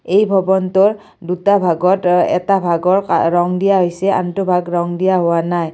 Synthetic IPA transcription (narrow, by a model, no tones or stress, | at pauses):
ejbʱɔbɔntɔɹ | dutabʱaɡɔtɛ̰tabʱaɡɔɹa̰ɹɔŋdijaɦojsɛa̰ntʊbʱaɡɹɔŋdijaɦʊwanaj